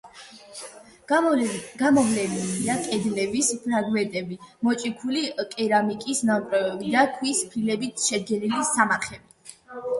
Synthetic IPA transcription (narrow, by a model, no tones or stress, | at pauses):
ɡ̥amɔvlɛniliakʼɛd̪lɛbispʰɾaɡmɛnt̪ʼɛbimɔt͡ʃʼikʰulikʼɛɾamikʼisnapʼɾɛbɛbid̪akʰwispʰɾilɛbit̪ʃɛd̪ɡɛnilisamaχɛbi